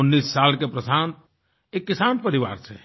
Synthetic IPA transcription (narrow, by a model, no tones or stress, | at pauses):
ʊnːisːalkepɾəsant̪ | ekːɪsaːnpəɾiʋa̰ːɾt͡ʃʰɛ̰